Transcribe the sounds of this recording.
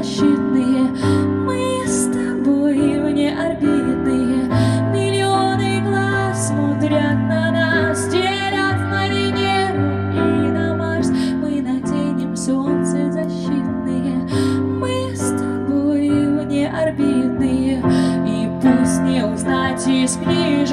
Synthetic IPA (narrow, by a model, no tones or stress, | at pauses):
ɕːit̪nɨjəmɨ | st̪ | buɪvnʲeʔɐrbʲid̪nːɨjəmʲɪlʲɪonɨjɡlˠa | sːmɔd̪ɾʲat̪̚nɐnasdʲe | ɾʲət̪məɾʲɪnʲen | iɪnɐmars | mɨnɐtʲenʲɪmsont̪sɨzɐɕːit̪̚nɨjəmɨ | st̪ | buɪvnʲeʔɐrbʲid̪nɨjəipusʲnʲeʊznatʲɪsʲpɾʲiʐ